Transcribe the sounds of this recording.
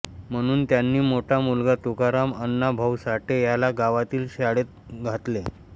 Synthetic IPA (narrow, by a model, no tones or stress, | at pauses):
m̤əɽ̃uːnt̪janːiːmoʈʰamulɡat̪ukaɾamənːabʱəwsaʈʰejalaɡaʋat̪iːlɕaɽet̪̚ɡʱat̪le